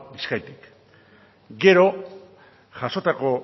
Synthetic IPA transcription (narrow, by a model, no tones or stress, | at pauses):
biskajt̪i̥k | ɡe̞ɾo̞ | ʝaso̞t̪ako̞